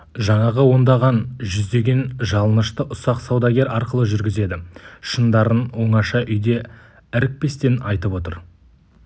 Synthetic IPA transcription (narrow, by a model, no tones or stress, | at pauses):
ʒɑɴɑʁəwo̞nd̪ɑʁɑnʒʏzd̪e̞ɡʲe̞nʒɑlˠənəʃt̪əʔʊsɑqsɑwd̪ɑɡʲe̞ɾɑɾqəlˠəʒʏɾɡʲɪze̞d̪ɪʃənd̪ɑɾənwo̞ɴɑʃɑʔʏjd̪e̞ | æɾɪk̚pe̞st̪e̞nɑjt̪əpwo̞t̪əɾ